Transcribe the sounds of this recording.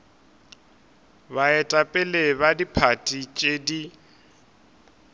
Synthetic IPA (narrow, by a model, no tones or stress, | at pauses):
baɛtʼapʼɛleβadipʰatʼit͡ʃʼedi